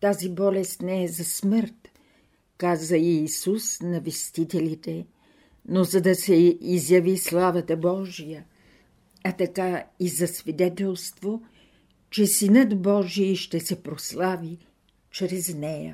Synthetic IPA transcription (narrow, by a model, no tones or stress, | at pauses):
t̪azibɔlɛst̪nɛɛzɐsməɾt̪ | kazəiːsusnɐvɛst̪it̪ɛlit̪ɛ | nozɐd̪ɐsɛizjɐvislˠavət̪əbɔʒijə | ɐt̪ɐkaizɐsvid̪ɛt̪ɛlˠst̪vo | t͡ʃɛsinət̪bɔʒiiʃt̪ɛsɛpɾoslˠavi | t͡ʃɾɛznɛjə̰